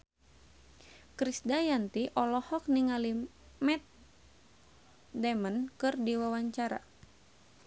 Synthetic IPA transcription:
kɾisdajant̪iʔɔlɔhɔk̚niŋali | mɛt̪̚ | dɛmənkɨrdiwawaɲt͡ʃaɾa̰

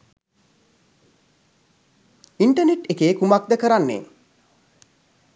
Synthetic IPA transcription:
iɳʈəneʈekeːkumak̚d̪əkəɾanːḛː

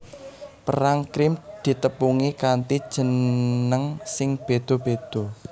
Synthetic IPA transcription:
pə̰ɾaŋkɾɪmd̪̥i̤t̪əpuŋikant̪id̥ʒ̥ə̤nəŋsɪŋb̥ed̪̥o̤b̥ed̪̥o̤

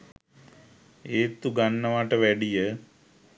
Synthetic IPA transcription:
eːt̪uɡanːəʋaʈəʋɛɖijə

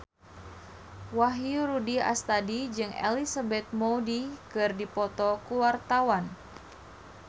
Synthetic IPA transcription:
waɦiɾudia̰st̪adid͡ʒɨŋḛlisabɛt̪̚moudikɨrdipɔt̪ɔkuwart̪awan

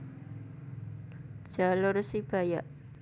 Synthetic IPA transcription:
d͡ʒ̥alʊrsib̥ajaʔ

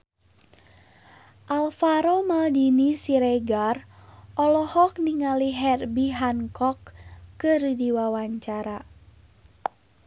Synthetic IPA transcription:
ʔalfaɾomaldinisiɾɛɡarʔɔlɔhɔk̚niŋaliɦɛrbiɦankɔkːɨrdiwawaɲt͡ʃaɾa

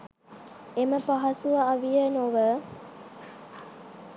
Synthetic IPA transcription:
eməpaɦɐsuʋaːʋijənoʋə

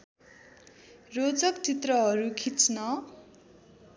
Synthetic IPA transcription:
rod͡zʌkt͡sit̪rʌɦʌɾukʰit͡snʌ

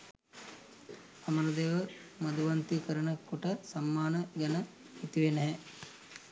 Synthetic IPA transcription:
ɐmɐɾɐd̪eːʋɐmɐd̪uʋɐnt̪ikɐɾɐɳɐkuʈɐsɐmːaːnɐɡɐnɐ | it̪iʋenɐɦɛ

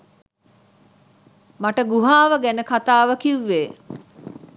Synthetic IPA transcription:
maʈəɡuɦaːʋəɡænəkat̪aːʋəkiʋːeː

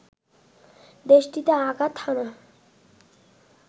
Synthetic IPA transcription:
d̪eʃʈit̪eaɡat̪ʰːana

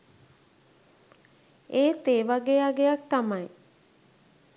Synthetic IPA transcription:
eːt̪eːʋaɡeːaɡejak̚t̪amaj

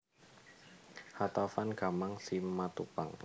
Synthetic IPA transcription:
hat̪afanɡ̥amaŋsimat̪upaŋ

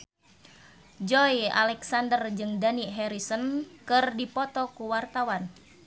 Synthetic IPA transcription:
d͡ʒɔja̰lɛksandərd͡ʒɨŋdaniɦɛɾisənkɨrdipɔt̪ɔkuwart̪awan

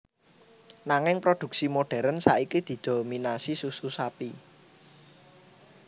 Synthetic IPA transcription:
naŋɪŋpɾod̪̥ṳk̚simoɖ̥ɛ̤ɾənsaikid̪̥i̤d̪̥o̤minasisususapi

